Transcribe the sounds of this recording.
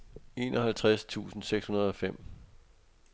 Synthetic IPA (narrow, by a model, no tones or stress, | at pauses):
e̝ːnɒ̽hælt͡sʰʁast͡sʰṵːsn̩seɡ̥shunɐð̞ˠɒ̽fem̰